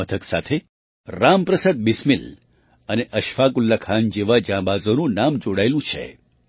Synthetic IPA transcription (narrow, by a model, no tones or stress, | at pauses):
ət̪ʰəksa̰t̪ʰe | ɾampɾəsəd̪̚bismil | əneʔəʃfakulːakʰaːnd͡ʒeʋad͡ʒãbazonũnamd͡ʒoɽajlũt͡ʃʰḛ